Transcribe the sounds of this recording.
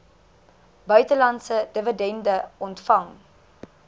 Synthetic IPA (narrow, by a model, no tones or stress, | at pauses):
bœɥtəlɐntsədəvədɛndəɔntfɐŋ